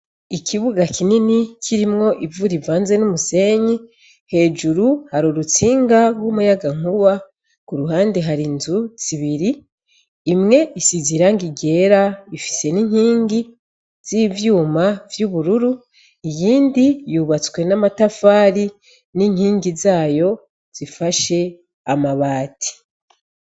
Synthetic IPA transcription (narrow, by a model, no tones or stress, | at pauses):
ikʰiβuɡakʰininicʰiɾimŋo̞ʔivuɾivaːnze̞numuse̞ɲi | he̞ːd͡ʒuɾuhaɾuɾut͡siːŋɡaɾwomujaɡaŋ̥uwa | kuɾuɦaːndeɦaɾinzuz̥iβiɾiː | mŋe̞isiziɾaŋɡiɡe̞ːɾaifi̥se̞niɲ̥hiːŋɡi | z̥ivjuːmavjuβuɾuɾu | ijiːndijuβat͡swe̞namatafaːɾi | niɲhiːŋɡizaːjo̞ | z̥ifaʃe̞ | amaβaːtʰi̥